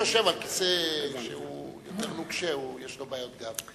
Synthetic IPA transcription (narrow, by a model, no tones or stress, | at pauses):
oʃevalkiseʃḛujot̪eʁnuɡʃeujeʃlobaːjo̞t̪̚ɡam